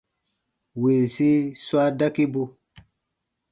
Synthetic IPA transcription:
wi˨lsi˦swa˦da˦ki˦bu˦

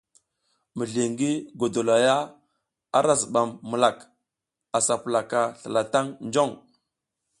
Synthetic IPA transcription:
mə˨ɮi˨ŋɡi˦ɡo˨do˨la˨ja˦ | a˦ɾa˨zə˨ɓa˨mːə˨la˨k | a˨sa˨pə˨la˨ka˨ɬə˨la˨ta˦ŋnd͡ʒo˦˨ŋ

